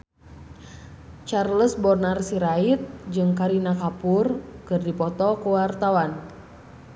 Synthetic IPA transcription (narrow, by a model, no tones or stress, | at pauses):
t͡ʃarləsbɔrnarsiɾait̪̚d͡ʒɨŋkaɾinakapurkɨrdipɔt̪ɔkuwart̪awan